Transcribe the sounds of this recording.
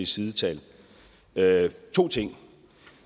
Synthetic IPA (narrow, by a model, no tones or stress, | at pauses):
isiðˠət͡sʰɛ̰l | t͡sʰo̝̰ːt͡sʰe̝ŋ̰